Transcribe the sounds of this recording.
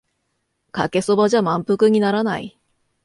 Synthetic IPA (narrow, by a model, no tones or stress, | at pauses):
ka̰ke̞sobaʑamãmpɯ̟kɯ̟ɲ̟inaɾanaḭ